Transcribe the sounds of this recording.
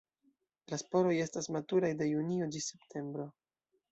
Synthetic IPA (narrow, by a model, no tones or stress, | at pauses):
laspo̞ɾo̞je̞stasmatuɾajde̞juniod͡ʒise̞ptʰe̞mbɾo̞